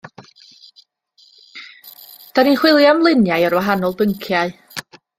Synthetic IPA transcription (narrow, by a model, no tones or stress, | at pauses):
d̥aninχwɪlˠjamlˠɪnjajɔrwaɦanɔlˠbəŋkʰjaɨ